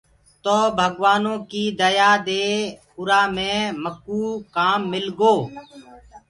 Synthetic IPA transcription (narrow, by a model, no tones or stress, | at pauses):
t̪oːbʱəɡʋaːnõːkiːd̪əjaːd̪eː | ʊɾaːmẽːməkuːkaːmːɪlɡoː